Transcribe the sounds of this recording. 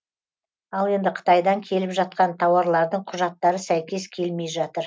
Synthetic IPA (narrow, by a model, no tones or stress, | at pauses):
ɑlˠe̞nd̪ɪqʰə̥t̪ɑjd̪ɑŋkʲʰe̞lɪpʒɑt̪̚qɑnt̪ʰɑwɑɾlˠɑɾd̪əɴqʰʊʒɑt̪ːɑɾəsæjkʲe̞skʲʰe̞lme̞jʒɑt̪əɾ